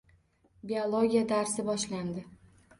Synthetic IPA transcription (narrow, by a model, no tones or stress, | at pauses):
biolˠoɡʲijad̪aɾsɪbɒʃland̪ɪ